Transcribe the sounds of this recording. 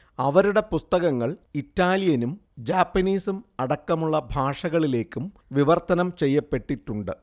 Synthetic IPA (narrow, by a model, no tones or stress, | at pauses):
ɐʋɐɾuɽe̞pust̪ɐɣɐŋːɐɭitːaːlijɐnumd͡ʑaːpːɐniːsumɐɽɐkːɐmuɭːɐbʱaːʂɐɣɐɭile̞ːkːum | ʋiʋɐrt̪ɐnɐmt͡ɕe̞jːɐpːe̞ʈːiʈːuɳɖɨ